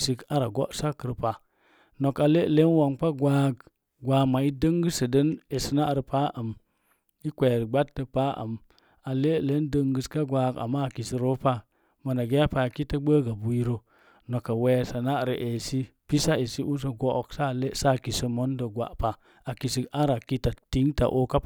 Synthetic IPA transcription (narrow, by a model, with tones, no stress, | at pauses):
si˨ka˦ɾa˨ɡo̰˦ʔsa˦kə˨ɾpa˨ | no˨ka˨le˦˨le˦n˦wa˨npa˦ɡwa˦ɡ | ɡʷa˨ma˨i˦də˦ŋɡə˦sə˨də˦ne˨si˨na˦˨ɾi˨pa˦ʔə˨m | i˦kʷe˨ɾɡ͡ba˦ttːə˨pa˦ə̰˨m | a˨le˦˨le˦ndə˦ŋɡə˨ska˦ɡʷa˨ɡa̰˨mːa˦a˨ki˨si˨ɾo˦pa˦ | ma˨na˨ɡe˦a˦pa˨ki˦tə˦ɡ͡bə˦ɡa˨bu˨ji˦ɾo˦ | no˨ka˨we˨˦˨sa˨na˦a˨ɾə˨ʔe˨si˦pi˦sa˦e˨si˦ʔu˦s̬ə˨ɡo˨ʔksa˦˨le˦sa˦˨ki˨sə˦mo˦ndə˨ɡʷa̰˨ʔpa˨ | a˨ki˨si˨a˦ɾa˨ki˦ta˨ti˦ŋta̰˨ʔo˦ka˦p